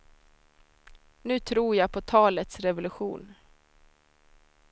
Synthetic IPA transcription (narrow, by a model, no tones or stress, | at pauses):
nʉ̟ːt̪ʰɾuːɾjɑːpʰɔt̪ʰɑːlət̪sɾɛvʊlɵɧuːn